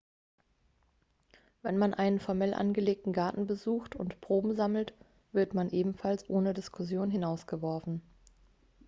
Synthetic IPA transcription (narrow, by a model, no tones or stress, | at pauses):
vɛnmanʔaɪnənfɔɐmɛlʔa̰nɡəleːk̚tn̩ɡaɐtn̩bəzuːxtʊ̰ntpʁ̥oːbm̩zaml̩t | v̥ɪɐtmanʔeːbm̩falsʔoːnədɪskʰʊsjoːnɦɪnaʊsɡ̥əvɔɐfn̩